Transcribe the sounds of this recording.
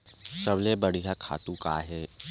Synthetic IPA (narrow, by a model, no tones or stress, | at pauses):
sɐblebɐɽ̤ijakʰa̰ːt̪ũka̰ːɦɛː